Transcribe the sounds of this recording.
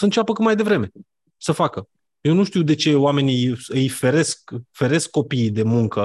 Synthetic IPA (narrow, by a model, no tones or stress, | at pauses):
səɨnt͡ʃapəkut̪majd̪e̞vɾe̞me̞ | səfakə | jewnuʃt̪iwd̪e̞t͡ʃe̞oame̞nʲiɨjfe̞ɾe̞skfe̞ɾe̞skːo̞piːd̪e̞muŋkə